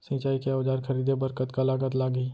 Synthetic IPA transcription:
sɪ̃t͡ʃaːikeoːd͡ʒaːɾkʰəɾiːd̪ebəɾkət̪kalaːɡət̪̬laːɡi

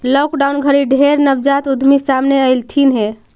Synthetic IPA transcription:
lɔkɖawnɡʱəɾiɖʱeɾnəbd͡ʒat̪ud̪ʱmisamneəjlt̪ʰinɦe

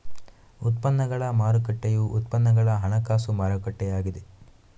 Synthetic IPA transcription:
ut̪pɐnːɐɡɐɭɐmaːɾɐkɐʈːejuʔut̪pɐnːɐɡɐɭɐɦɐɳɐkaːsumaːɾɐkɐʈːɛjaːɡid̪e

